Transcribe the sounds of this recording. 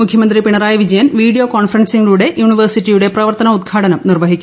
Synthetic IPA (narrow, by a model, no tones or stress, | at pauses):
mukʰjɐmɐnd̪ripiɳɐɾaːjɐʋid͡ʑɐjɐnʋiːɽijo̞ːkoːnfɐrɐnsiŋːɐɭuːɽe̞ʔjuːɳiʋɐrsitːijuɽe̞prɐʋɐrt̪ɐnɐud̪̚ɡʰʱaːʈɐnɐmnirʋɐɦikʲːu